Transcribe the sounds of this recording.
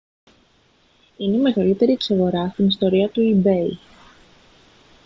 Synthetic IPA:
ine̞ime̞ɣɐlit̪e̞ɾiekso̞ɣo̞ɾɐst̪inist̪o̞ɾiɐt̪uibe̞i

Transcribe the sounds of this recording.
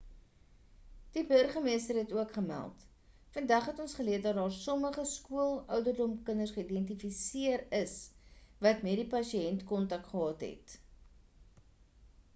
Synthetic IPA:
d̥ibərχəmiəstərɦɛtuəkχəmæ̰lˠt | fəndæχɦɛtɔnsχəliət̚dɐt̚dɑːrsɔməχəskuəlˠœwdərdɔmkənərsχəidɛntifisiəɾəsvɐtmɛdipɐsiɛntkɔntɐk̚tχəɦɑːtɦɛ̰t

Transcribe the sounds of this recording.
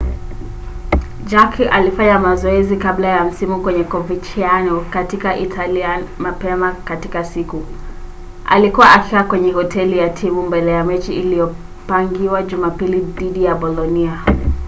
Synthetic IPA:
d͡ʒakʰiʔalifaɲamazɔɛzikablajam̩simukwɛɲɛkɔvit͡ʃianɔkatikaʔitʰaliamapɛmakatikasiku | ʔa̰likuwaʔakiakwɛɲɛhɔtʰɛlijatʰimumbɛlɛjamɛt͡ʃiːlijɔ | paŋɡiwaʄumapiliðiɗijaɓɔlɔnia

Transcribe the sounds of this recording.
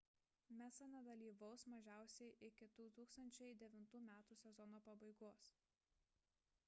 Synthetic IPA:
mʲæsɐnʲɛd̪ɐlʲiːʋɐʊsmɐʒʲæˑʊsʲɛɪʔɪkʲɪd̪̥uːt̪uːkst̪ɐnʲt͡ʃʲɛɪd̪ʲɛʋʲɪnt̪uːmʲæːt̪uːsʲɛzɔnoːpɐbɐɪɡoːs

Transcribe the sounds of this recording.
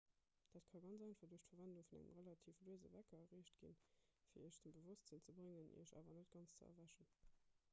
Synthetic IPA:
d̥aːtkʰɑɡɑnt͡sɑɪnfɐʁduəʃtfɐvænduŋfunæ̰ŋə̰mʁəlɑtʰiːfluəzə̰vækɐɐʁeːʃtɡ̥ḭnfiːɐəʃd̥əmbəvʊstz̥ənt͡səbʁeŋənʔḭɐʃɑ̰ːvɐnətɡ̥ɑnst͡səɐ̰væʃən

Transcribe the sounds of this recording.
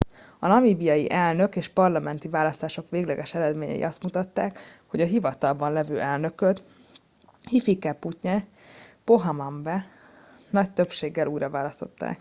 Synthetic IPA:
ɒnɒmiːbijɒjḭʔɛlnø̞keːʃpɒrlɒmɛnt̪ivaːlɒst̪aːʃo̞kʋeːɡlɛɡɛʃɛɾɛd̪meːɲɛ̰jḭʔɒst̪mut̪ɒt̪ːaːkho̞ɟɒɦivɒt̪ɒlbɒnlɛvøːʔɛlnø̞køt̪ | hifikɛpːucɲɛ | po̞ɦɒmɒɱbɛ | nɒct̪øpʃeːɡːɛluːjɾɒvaːlɒst̪o̞̰t̪ːa̰ːk

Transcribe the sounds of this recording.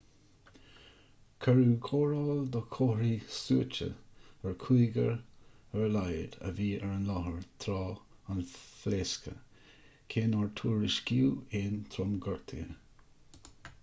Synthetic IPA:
kʰəɹuːkʰoːɹɔːld̪ɔkʰoɾiːsuət͡ʃə̰əɹkʰuːɡəɹəɹlajd̪ə̰viːɛɹənlɔhəɹt̪ʰɾɑːanfleːskʰə̰ | kʰeːnɔɹtʰuːɹɪʃkiːeːnt̪ʰɾɔmɡɔɹt̪ʰɪ̰ə

